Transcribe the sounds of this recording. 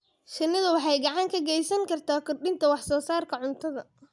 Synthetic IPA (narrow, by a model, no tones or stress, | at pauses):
ʃɪnːɪðɐwɑħɑjɡɑʕɑŋkʰɐɡɛjsɐŋkʰɐrt̪ʰaːkʰɔrɗɪnt̪ʰɐwɑħsɔːsaːrkʰɐʕʊnt̪ʰɐðɐ